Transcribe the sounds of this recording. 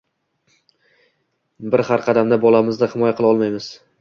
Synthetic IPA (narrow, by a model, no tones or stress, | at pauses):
bɪɾhaɾqʰɑd̪amd̪abɒlamɪzd̪ahɪmɒjaqʰɨlˠɒlˠmajmɪz̥